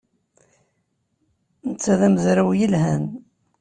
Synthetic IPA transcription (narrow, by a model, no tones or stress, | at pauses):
nət͡sːæðæməzɾawjəlɦæn